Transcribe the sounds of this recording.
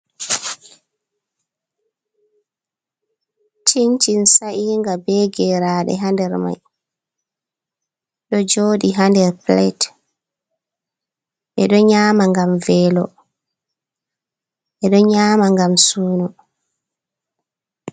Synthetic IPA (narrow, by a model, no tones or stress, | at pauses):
t͡ʃiɲt͡ʃinsaʔiːŋɡabɛɡɛɾaɗɛ̰ɦandɛɾma̰j | ɗɔd͡ʒoːɗiɦandɛɾplɛt | ʔɛɗɔɲaːmaŋɡamvɛːlɔ | ɛɗɔɲaːmaŋɡamsuːnu